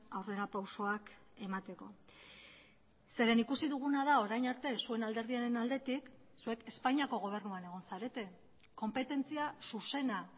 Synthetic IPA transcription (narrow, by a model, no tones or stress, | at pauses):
awre̞ɾapawso̞ak | e̞mat̪e̞ko̞ | se̞ɾe̞nikusiðuɣ̞unað̞ao̞ɾajɲaɾt̪e̞sue̞nald̪e̞ɾð̞iaɾe̞nald̪e̞t̪ik | sue̞ke̞spaɲiako̞ɣ̞o̞β̞e̞rnuane̞ɣ̞o̞nsaɾe̞t̪e̞ | ko̞mpe̞t̪e̞nt͡siasuse̞na